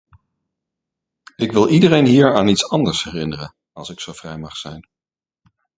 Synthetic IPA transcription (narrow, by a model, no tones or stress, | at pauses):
ɪkʋɪlˠidərejnɦiːɹaːnitsɑndəɹsɦɛrɪnərən | ɑlˠsɪksowv̥rɛjmɑχsɛjn